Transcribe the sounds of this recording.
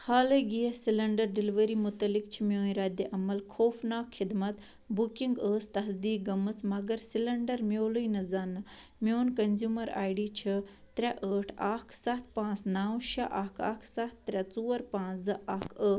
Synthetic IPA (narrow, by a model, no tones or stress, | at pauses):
haːləɡiɐsilɐɳɖɐɾɖiliʋəɾiːmʊt̪ɐlik̚t͡ʃʰimʲjoːĩɾaːd̪eʔɐmɐlkʰoːfnaːkʰxid̪mɐt̪ | bukiŋɡəːst̪ɐɦɐsd̪iːk̚ɡɐmɨsmɐɡɐɾsilɐɳɖɐɾmjoːlujnɐzanɨ | mjoːnkɐnzʲjuːmɐɾa̰ːjɖiːt͡ʃʰɐ | t̪ɾɛʔəːʈʰaːkʰsɐt̪̚ʰpãːt͡snaːwʃɐʔakʰa̰ːkʰsɐt̪ːɾʲɛt͡suːɐɾpãːt͡szɐʔɐkʰə